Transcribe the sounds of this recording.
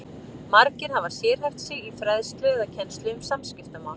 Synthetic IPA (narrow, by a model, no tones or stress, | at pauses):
maɾcɪnhavasjɛːɾ̥hajft̪sɛɣifɾaðst̪lɪɣɛðacʰɛnst̪lɪʏmsamscɪft̪amaːwn